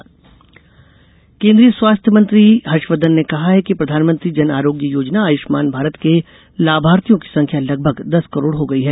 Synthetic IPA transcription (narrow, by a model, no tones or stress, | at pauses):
kẽːnd̪ɾiːəswaːst̪ʰjəmɐ̃nt̪ɾiɦɐʃʋəd̪ənːekɐɦaɦɛkipɾɐd̪ʱaːnmə̃nt̪ɾid͡ʒɐnaːɾoːɡjəjoːd͡ʒnaaːjɪʃmaːnbʱaːɾət̪ke | laːbʱaːɾt̪ijõki̥sɐ̃ŋkʰjalɐɡ̚bʱəɡd̪ɐskɐɾoːɽɦoɡɐiɦɛː